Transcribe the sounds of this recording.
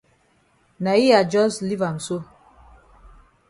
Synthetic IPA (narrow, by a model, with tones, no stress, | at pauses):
na˨i˦ja˨d͡ʒɔ˦sli˦va˨m˨so˦